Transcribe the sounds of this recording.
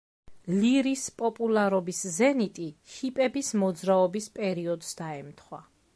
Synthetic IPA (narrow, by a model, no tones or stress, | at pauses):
liɾispʼɔpʼulˠaɾɔbiszɛnit̪ʼihipʼɛbismɔd̪zɾaɔbispʼɛɾiɔd̪sd̪̥aɛmt̪ʰχwa